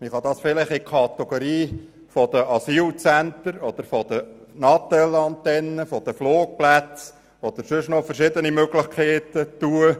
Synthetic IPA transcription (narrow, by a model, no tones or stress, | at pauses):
miχɑd̪ɑsfɪlɪχɪkʰɑt̪ɛɡ̥oɾiː | fɔd̪əʔɑsiːlt͡sænt̪əɾɔd̪əɾfɔd̥̪ənɑt̪ɛlɑnt̪ɛnːəfɔd̥̪əfloːk̚plæt͡s | ɔd̪̥əɾsʏʃnɔfəɾʃɪd̪ənimøɡlɪχkʰeːt̪ət̪uə